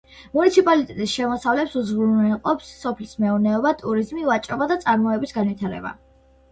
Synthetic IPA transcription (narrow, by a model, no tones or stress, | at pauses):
munit̪sʰipʼalit̪ʼɛt̪ʼisʃɛmɔsavlɛpsuzʁɾunɛlqʼɔpsːɔpʰlismɛuɾnɛɔbat̪ʼuɾizmivat͡ʃʼɔbad̪at̪sʼaɾmɔɛbisɡanwit̪ʰaɾɛ̰ba̰